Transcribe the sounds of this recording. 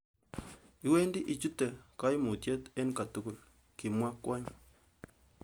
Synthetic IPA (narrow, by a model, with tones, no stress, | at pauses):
i˨˦we˦ndi˦ʔi˨t͡ʃu˦tɛ˨ka˦i˦mu˨tjɛ˦t̪e˦n˦ka˨tu˦ku˨l | ki˨mwa˦kwa˦ɲ